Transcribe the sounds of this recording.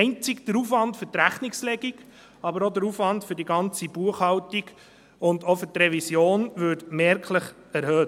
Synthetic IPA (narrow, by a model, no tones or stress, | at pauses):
ɪnt͡sɪkd̥̪əɾuːfʋɑntfʏɾtɾæχnikslɛɡiɡ | ɑbəɾod̪əɾuːfʋɑntfʏɾdiɡɑnt͡sibuəχhɑwtiɡ | ʊndofʏɾtɾɛvisjoːnʋʏtmɛːɾkʰləχ | æɾhøːt